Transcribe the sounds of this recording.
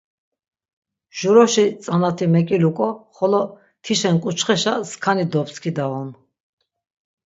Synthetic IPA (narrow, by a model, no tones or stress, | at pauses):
ʒ̥uɾɔʃit͡sʼanat̪ʰimɛkʼilukʼɔχɔlɔ | t̪ʰiʃɛnkʼut͡ʃχɛʃaskʰanid̪ɔpskʰid̪aɔn